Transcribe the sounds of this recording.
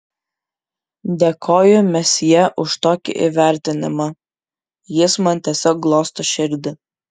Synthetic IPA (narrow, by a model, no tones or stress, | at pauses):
d̪ʲɛkʰoːjʊmʲɛsʲjɛʔʊʃt̪oːkʲɪ̰ʔɪ̰ʋʲæˑɾʲt̪ʲɪnʲɪmɐ | jɪsmɐnt̪ʲɛsʲɔːk̚ɡlˠoːst̪ɐʃʲɪɾʲd̪ʲɪ